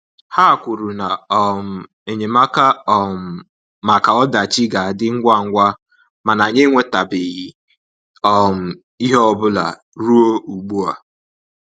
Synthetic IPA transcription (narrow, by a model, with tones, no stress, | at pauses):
ha˦˨kʷʊ˨ɾu˨na˨ɔ˨m̩˨ | e˨ɲe˨ma˦ka˦ɔ˦˨m̩˨ | ma˨ka˨ɔ˦da˨t͡ʃi˦ɡa˨a˨dɪ˦ŋ̩˦ɡʷa˦˨ŋ̩˦ɡʷa˦ | ma˨na˨ɲe˦ŋʷe˦ta˨bɪ˨ɣi˨ | ɔ˦m̩˨ | i˦ɦe˦ɔ˨bʊ˦la̰˨ | ɾu˦o˦u˨ɡ͡bu˦a˨